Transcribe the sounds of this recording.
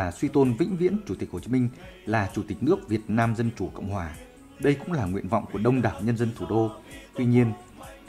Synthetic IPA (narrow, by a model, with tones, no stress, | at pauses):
aː˨˩swi˧t̪o˧nvḭ̈˧˥ŋ̟vḭ˧˥ənt͡ɕu˧˩t̪i̟˨˩ho˨˩t͡ɕi˨˦mï˧ŋ̟laː˨˩t͡ɕu˧˩t̪i˨˩k̟̚nɨ˦˥ək̚vi˨˩ət̚naː˧mzə˧nt͡ɕu˧˩kə̰˧˨wŋ͡mhɦwaː˨˩ | ɗə˧jkʊ̰˧˥ŋ͡mlaː˨˩ŋwḭ˧˨ənva̰˧˨wŋ͡mku˧˩əɗə˧wŋ͡mɗaː˨˩wɲə˧nzə˧nt̪ʰu˧˩ɗo˧t̪wi˧ɲi˧ən